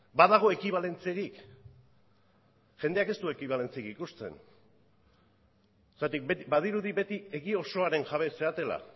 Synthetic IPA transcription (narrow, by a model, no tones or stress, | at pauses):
baðaɣ̞o̞e̞kiβ̞ale̞nt͡se̞ɾik | ʝe̞nd̪eake̞st̪ue̞kiβ̞ale̞nt͡seikikust͡s̪e̞̰n | st̪at̪ik̚beibað̞iɾuðiβe̞t̪ie̞ɣio̞so̞aɾe̞ŋʝaβ̞e̞se̞at̪e̞la̰